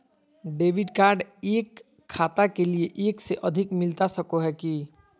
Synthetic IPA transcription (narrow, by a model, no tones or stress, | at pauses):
ɖeːʋɪɖkaːɾɖeːkʰː | aːt̪akelieʔeːkseʔəd̪ʱɪkmɪlt̪asəkoɦɛki